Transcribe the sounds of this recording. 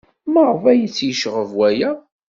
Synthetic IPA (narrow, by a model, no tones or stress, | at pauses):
məɾˤvæjət͡sːjəʃʁəvwæjæ